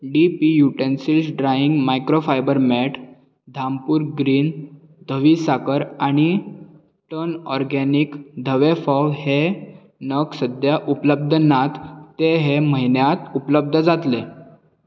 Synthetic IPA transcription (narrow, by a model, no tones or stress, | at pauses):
ɖipijuʈensilsɖɾaiŋɡmajkɾofajbəɾmɛʈʰ | d̪ʱampuːɾɡɾiːn | d̪ʱəʋisakəɾaɽ̃i | ʈənɔɾɡɛnikd̪ʱəʋefɔʋhe | nəksəd̪ʱjaʔupləb̚d̪ʱənat̪ːeɦeməɦinjat̪upləb̚d̪ʱəd͡zat̪le